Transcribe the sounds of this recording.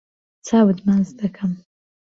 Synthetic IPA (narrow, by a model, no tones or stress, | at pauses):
t͡sɑwəd̪manzd̪akʰam